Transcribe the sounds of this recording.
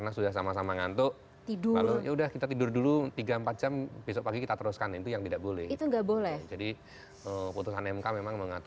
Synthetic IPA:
kərnasudahsamasamaŋant̪ʊʔ | t̪idʊka̰rlojaudahkit̪at̪idʊrdulut̪iɡaəmpat̪̚d͡ʒamb̥esɔʔpaɡikit̪at̪əɾuskanint̪ujaŋt̪idaʔbolɛhit̪uŋɡaʔbolɛhd͡ʒadi | əput̪usanɛmkamemaŋməŋat̪

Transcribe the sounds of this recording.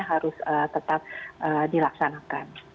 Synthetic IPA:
aɦaɾʊsət̪ət̪ap̚ʔədilaksanakan

